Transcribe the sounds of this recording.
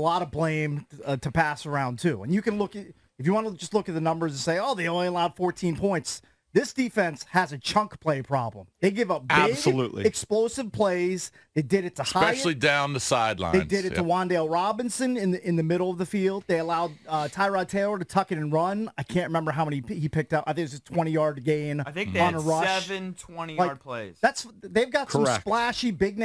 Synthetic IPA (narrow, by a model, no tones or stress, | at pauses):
əlɔɾʌblẽɪ̃mtʰɨpæsə˞ãʊ̃ntʰʉə̰̃njɨkɨ̃nlʊkɨ | ɨfjɨwɑ̃nəd͡ʒʌstˡlʊkɨt̪̚ðɨnʌ̃mbə˞z̃n̩seɪoʊðeɪoʊ̃nliəlaʊd̥fɔɹtʰĩnpʰɔ̃ɪ̃nts | ðɪsd̥ifɛ̃nshəzɨt͡ʃʰʌ̃ŋkpʰl̥eɪpʰɹ̥ɑblə̃mðeɪɡɪvʌp̚bæ̥ɪbɡsəluʔlḭɨksploʊsɨv̥pʰl̥eɪz | ðeɪdɨɾɨtʰəhaɪɛʃɪl̩ˠidãʊ̃nðɨsaɪdˡlã̰eɪ̃ndɪɾɨtʰəwɑ̃ndeɪlˠɹɑbɨ̃nsɨ̃nɪ̃nɪ̃nðɨmɪɾl̩ˠʌvðɨfilˠd̪̚ðeɪəlaʊd̚ʌtʰaɪɹɑd̚tʰeɪlˠə˞ɾɨtʰʌkɨɾɨ̃nɹʌ̃naɪkʰæ̃nʔɹɨmɛ̃mbə˞ɦaʊmɛ̃nihipɪk̚tʌpaɪθɪ̃k̚ɨzɨ̥tʰw̥ɛ̃ɾ̃ijɑɹdɡẽɪ̃naɪθɪ̃ŋk̚ə̃nəɹʌɛʃvɨ̃ntʰw̥ɛ̃ñilaɪɹ̚pʰl̥eɪz̥ðætsðeɪvɡɑtʰsʌ̃msplæʃibɪɡ̚n